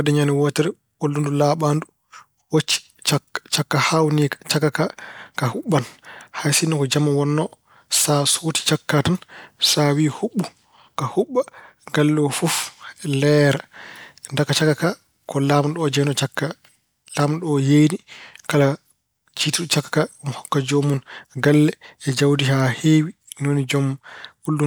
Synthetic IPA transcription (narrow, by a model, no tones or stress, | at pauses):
wadɛɲanɛwɔːtɛɾɛ | ʔolːundulaːɓandu | wot͡ʃːi̥ | t͡ʃat͡ʃakːahawnikt͡ʃakːakakahuɓːanhajsinːɔkɔd͡ʒamːawɔnːɔ | sasoti̥t͡ʃakːatansawiːhuɓːu | kahuɓːa | ɡalːɔfɔfɛlɛɾandakat͡ʃakːaka | kɔlamɗɔd͡ʒɛnɔt͡ʃakːa | laːmɗɔjejdikala | t͡ʃiːtuɗt͡ʃakːḁkaɔmhɔkːad͡ʒomunɡalːɛɛd͡ʒawdiɦahewi | nonid͡ʒɔmʔulːu